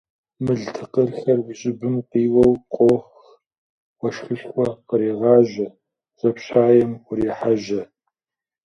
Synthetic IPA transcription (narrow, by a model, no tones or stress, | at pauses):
mɨɮtʰɨqərxɐrwiɕʼɪbɨmqiːwɐwqʷʼoːx | wɐʃxɨɬχʷɔqəɾiːʁɑːʑɐ | z̥ɐpɕaːjɛmʊɾiːħaʒɐ